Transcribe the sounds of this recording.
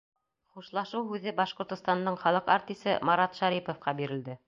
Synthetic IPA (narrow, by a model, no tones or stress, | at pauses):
χuʃlˠɑʃɤwɦʉðɘbɑʃqŏɾt̪ŏst̪ɑnd̪ɤɴχɑlˠɤqa̰ɾt̪ʲisɘ̰mɑɾɑt̪ʃæɾipŏfqɑbiɾɘ̆ld̪ɘ